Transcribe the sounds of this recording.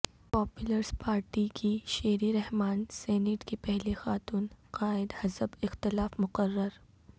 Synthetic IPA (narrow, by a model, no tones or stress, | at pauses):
pɔːpjʊləɾspaːɾʈikʰiʃeːɾiɾɛɦmaːnsɛːnɪʈkepɛɦlexaːt̪uːnqaːɪd̪hɐsəbɪxt̪ɪlaːfmʊqərːəɾ